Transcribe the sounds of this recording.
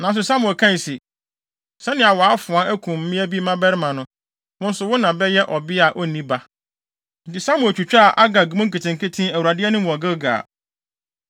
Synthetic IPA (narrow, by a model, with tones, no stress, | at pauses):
nã˨n˦s̬ʊ˨sa˦mʊ̃˨ɛ˨kʰã˦n˨si˨ | sɛ˦nɪ̃˨a˨wɔ˨a˦fʊ̃˨a˦ʔæ˦kʰũ˨m̩˦mɪ̃˦æ˦bi˦mã˦bɛ˦ɾɪ˦mã˨nʊ̃˦ | wʊ̃˦n̩˦sʊ˨wʊ˦nã˨bɛ˦jɛ˦ʔɔ˨bɪ˦a˨ʔɔ˦˨nĩ˦ba˦ | n̩˨tɪ˨sa˦mʊ̃˨ɛ˨t͡ɕᶣu˨t͡ɕᶣa˨ʔa˦ɡa˨ɡu˨mʊ̃˦ŋ˦kɪ˨tɪ̃˨ŋ̩˨kɪ˦tʰĩ˦æ˨wu˨ɾa˨dɪ˦ɛ˦nʊ̃˦m˦˨ɔ˨ɡɪ˦ɡa̰ː˨